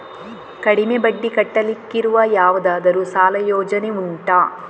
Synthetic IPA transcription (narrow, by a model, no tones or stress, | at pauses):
kɐɽimebɐɖːikɐʈːɐlikːiɾuʋɐjaːʋɐd̪aːd̪ɐɾusaːlɐjoːd͡ʒɐneuɳʈaː